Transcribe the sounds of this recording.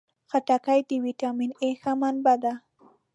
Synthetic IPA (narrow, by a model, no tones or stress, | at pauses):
xaʈakajd̪iwiʈɑminexamanbad̪a